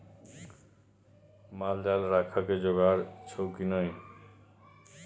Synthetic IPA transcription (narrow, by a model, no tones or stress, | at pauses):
mald̪alɾakʰaked͡ʑoɡaɾt͡ɕʰowkinɔj